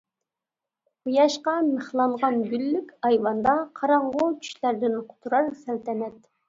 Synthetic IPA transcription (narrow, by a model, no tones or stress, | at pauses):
ujɑʃqɑməχlˠɑɴʁɑnɡʲylːykʲɑjwɑnd̪ɑqʰɑɾɑɴʁʊt͡ʃʰy̥ʃlæɾd̪ɪnqʰʊ̥t̪ʰuɾɑɾsælt̪ʰɛnɛt̪